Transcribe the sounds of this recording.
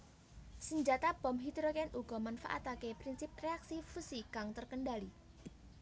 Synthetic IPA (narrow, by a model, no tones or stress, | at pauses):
səɲd͡ʒat̪ab̥ɔmɦid̪ɾokɛnuɡ̥ɔmanfa̰ʔa̰t̪akepɾinsip̚reaksifusikaŋt̪ərkənɖali